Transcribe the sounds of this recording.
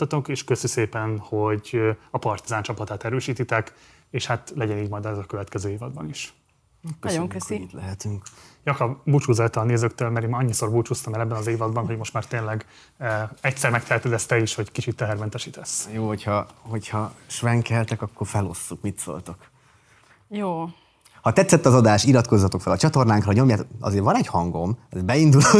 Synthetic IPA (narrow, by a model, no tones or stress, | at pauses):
t̪ːɒt̪oŋkeːʃkøsyseːpɛnho̞ɟɒpɒrt̪izaːnt͡ʃɒpɒt̪aːt̪ɛɾøːʃiːt̪it̪ɛk | eːʃhat̪lɛɟɛniːɟmɒjd̪ɛɒkø̞vɛt̪kɛzøːiːvɒd̪̚bɒ̰niʃ | køoŋkøsiit̪lɛɦɛt̪yŋkjɒkɒbut͡ʃuːzɛlt̪ɒlneːzøːkt̪øːlmɛɾeːmɒɲːiso̞rbut͡ʃuːst̪ɒmɛlɛbːɛnɒzeːvɒd̪bɒnɦo̞ɟmo̞ʃt̪maːrt̪eːnlɛɡ | ɛcsɛɾmɛk̚t̪ʰɛɛt̪øːd̪ɛst̪ɛiʃho̞ɟkit͡ʃit̪ːɛɦɛɾmɛnt̪ɛʃiːt̪ɛsːjoːɦo̞chɒho̞chɒʃʋɛŋkɛlt̪ɛkɒkːo̞rfɛlo̞̰sːukmit̪so̰lt̪o̞k | joː | hɒt̪ɛt̪sːɛt̪ːɒzɒd̪aːʃilɒt̪ko̞zːɒt̪o̞kfɛlɒt͡ʃɒt̪o̞rnaːŋkrɒɲo̞mjaːt̪ɒ̰zeːɾvɒnɛɟhɒŋɡo̞mɒzebɛind̪ulo